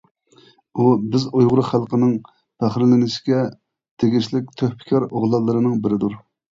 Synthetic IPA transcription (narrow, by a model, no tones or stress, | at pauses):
ubɪzujʁʊɾʊχælˠqənɨŋ | pʰæχɾlɪnɪʃɪ̥ɡʲɛ | t̪ʰeɡʲiʃlɪk̚ʲt̪ʰøhpʰɪ̥kʲʰɑɾoʁlˠɑlˠːɨɾɨnɨŋbɪɾɪd̪uɾ